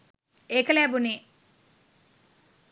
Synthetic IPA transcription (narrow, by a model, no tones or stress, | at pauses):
eːkɐlaːbune